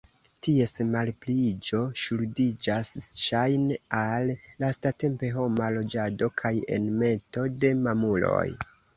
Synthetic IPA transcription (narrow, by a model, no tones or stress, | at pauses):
tie̞smalplid͡ʒo̞ʃludid͡ʒasʃajnealːastate̞mpe̞ɦo̞malo̞d͡ʒado̞kʰaje̞̰nme̞to̞de̞mamulo̞̰j